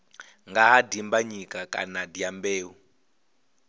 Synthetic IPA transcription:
ŋɡaɦadimbaɲikʼakʼa̰nadiambeːu

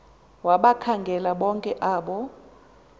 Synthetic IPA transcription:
waɓakʰaŋɡʱɛlaɓɔŋkʼɛʔaːɓɔ

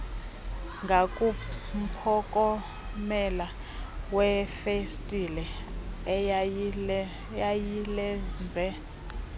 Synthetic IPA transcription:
ŋɡʱakʼum̩pʰɔkʼɔ | mɛla | wɛfestʼilɛ | jajilɛnd͡zʱɛ

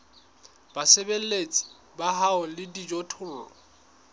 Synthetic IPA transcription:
b̥asebel̩let͡sʼi̥ | baɦaʊlɪdid͡ʒɔtʰʊlɔ̰

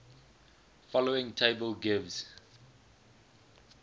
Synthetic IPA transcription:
fɔloɪ̃ŋtʰeɪbəlɡɪvz̥

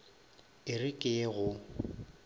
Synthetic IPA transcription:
ɪrɪkʼɪɣʊ

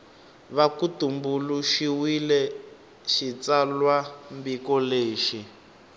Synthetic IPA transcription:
βakutumbuluʃiwilɛ | ʃit͡salwambikɔleːʃi

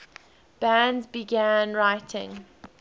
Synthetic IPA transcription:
b̥æ̃ndzbiɡæ̃nɹaɪtʰɪ̰̃ŋ

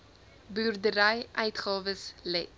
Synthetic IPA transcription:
byːrdəɾɛjʔœɥtχɑːvəslɛt

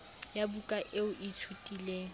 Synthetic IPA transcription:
jabukʼaʔɪʊʔitʰutʼiːleːŋ̩

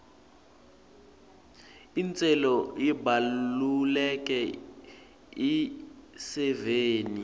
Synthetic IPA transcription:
int͡sʼɛlɔjibalulɛk̬ʼɛ | isɛveːni

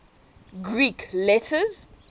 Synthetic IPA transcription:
ɡɹikʰlɛtʰəz

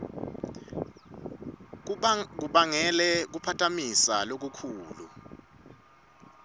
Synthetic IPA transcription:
k̬uɓaŋɛlɛk̬upʰatʰamisalok̬ukʰuːlṵ

